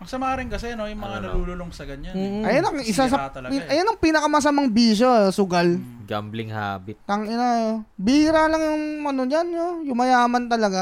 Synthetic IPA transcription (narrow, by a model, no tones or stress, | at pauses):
ɐŋsɐmaːɾɪŋkɐsɛnojʊŋmɐŋanɐluːloloŋsɐɡɐɲanːʔɐjanɐŋʔɪsasɐpiʔɐjonɐŋpiːnɐkɐmɐs̬ɐmaŋbiːʃ̬osʊɡal | ɡa̰mblɪŋha̰ːbɪt̪t̪ɐŋʔɪnajobihɾalɐŋjʊŋmɐnod͡ʒanojʊŋmɐjaːmɐnt̪ɐlɐɡa